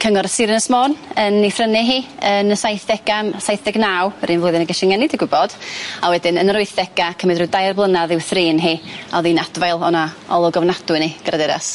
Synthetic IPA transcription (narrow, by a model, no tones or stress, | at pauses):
kʰəŋɔɾsɪɾɪnəsmoːnənifrənɪɦiːənəsajθdɛɡ̥amsajθdɛɡnaːwɾinvlʊjðɪnəɡɛʃɪŋɛnɪdiɡʊbɔd̥awɛdɪnənərʊɨθdɛɡ̥akʰəmɪdrɨdajrblˠənaðɪwθriːnɦiːɔðiːnad̥vajlˠɔnaɔlˠɔɡɔvnadʊɨniɡ̥ɾadɛɾa̰s